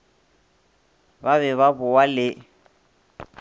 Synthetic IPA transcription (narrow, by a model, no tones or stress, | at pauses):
baβɛβabʊwalɪ